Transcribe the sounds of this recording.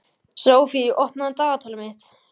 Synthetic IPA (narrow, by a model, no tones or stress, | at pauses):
sɾoːwfiiʔɔhpnaðt̪aːɣat̪ʰaːlʏmɪht̪